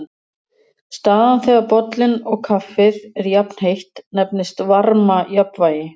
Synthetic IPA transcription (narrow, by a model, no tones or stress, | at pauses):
st̪aːðanθɛɣaɾpɔt̪lɪnɔɣkʰafːɪðɛɾjapn̥hejht̪nɛpnɪst̪vaɾmajapnvaːjɪ